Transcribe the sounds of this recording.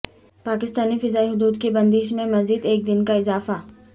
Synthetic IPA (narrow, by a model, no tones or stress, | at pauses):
paːkɪst̪aːnifɪzaːiɦʊd̪uːd̪kebɐ̃nd̪iːʃmẽmɐziːd̪eːk̚d̪ɪnkaɪzaːfa